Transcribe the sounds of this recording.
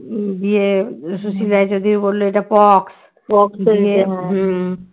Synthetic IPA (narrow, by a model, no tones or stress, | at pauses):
biesusilaed͡ʑod̪ʱibolːoejʈapɔks | pɔkseɦ